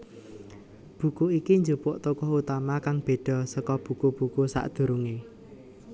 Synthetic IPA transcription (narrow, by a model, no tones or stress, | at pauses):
b̥ṳkuikiɲd͡ʒopoʔt̪ukɔɦut̪amakaŋb̥e̤ɖ̥ɔ̤səkɔb̥ṳkub̥ukusa̰ʔd̪̥ṳɾuŋe